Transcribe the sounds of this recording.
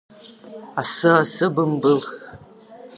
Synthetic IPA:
asɨasɨbɨmbɨlx

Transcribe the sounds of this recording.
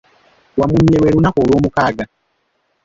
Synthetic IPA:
wamuɲːeweɾunakoːlwoːmukaːɡa

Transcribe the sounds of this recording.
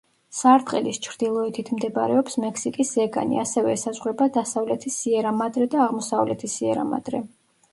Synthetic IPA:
saɾt̪ʼqʼɛlist͡ʃʰɾd̪̥ilˠɔɛt̪ʰit̪ʰmd̪ɛba̰ɾɛ̰ɔpsmɛksikʼisɛɡa̰nḭasɛvɛsazʁwɾɛbad̪asavlɛt̪ʰisiɛɾamad̪ɾɛd̪aːʁmɔsavlɛt̪ʰisiɛɾa̰ma̰d̪ɾɛ

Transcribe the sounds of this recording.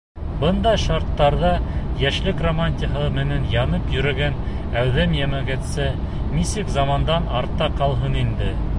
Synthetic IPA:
bɤnd̪ɑjʃɑɾt̪ːɑɾðɑjæʃlɘkromanʲt̪ʲiɦɤmɘ̆nænjɑnɤpjɵ̆ɾæ̆ɡæn | æwðæmjæmæɡæt̪sɘ | nisɘkzɑmɑnd̪ɑnɑɾt̪ːɑqɑlˠɦɤnind̪ɘ

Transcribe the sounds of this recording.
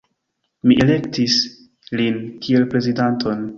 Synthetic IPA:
miʔele̞ktis | linkie̞lpɾe̞zidantʰo̞n

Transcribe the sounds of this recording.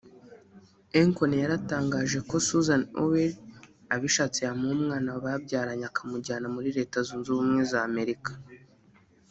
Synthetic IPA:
eŋkonjaɾataːŋɡaːʒe̞ko̞suzano̰weɾ | aβiʃat͡sejamumŋaːnaβabɟaːɾaɲakʰamuɟaːnamuɾiɾe̞ːtazuːnzumŋe̞zaːme̞ɾikḁ

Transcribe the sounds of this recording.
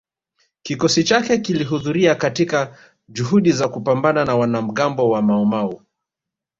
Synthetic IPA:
kikɔsit͡ʃakɛkiliɦuðuɾiakatika | ʄuɦuɗizakupambananawanam̩ɠambɔwamaɔmau

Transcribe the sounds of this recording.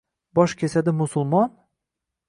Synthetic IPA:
bɒʃkʲʰe̞sad̪ɪmʊsʊlˠmɒn

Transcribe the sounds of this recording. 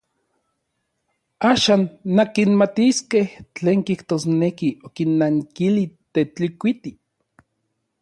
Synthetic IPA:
aːʃaːnːakinmat̪iskeht͡ɬeːŋkiht̪oːsnekiokinːaŋkilit̪et͡ɬikʷit̪i

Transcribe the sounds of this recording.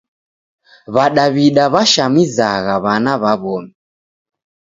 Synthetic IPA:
βaɗaβiɗaβaʃamizaɣaβanaβaβɔmi

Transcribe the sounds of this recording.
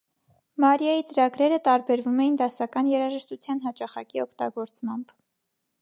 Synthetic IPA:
mɑɾjɑjit͡səɾɑɡɾɛɾət̪ɑɾbɛɾvumɛjind̪ɑsɑkɑnjɛɾɑʒəʃt̪ut͡sʰjɑnɦɑt͡ʃɑχɑ̰kiɔkʰt̪ɑ̰ɡɔɾt͡smɑmb

